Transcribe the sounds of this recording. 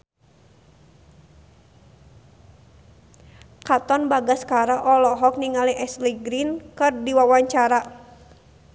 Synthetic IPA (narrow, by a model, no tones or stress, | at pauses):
kat̪ɔnbaɡaskaɾaʔɔlɔɦɔk̚niŋaliʔɛsliɡɾinkɨrdiwawaɲt͡ʃaɾa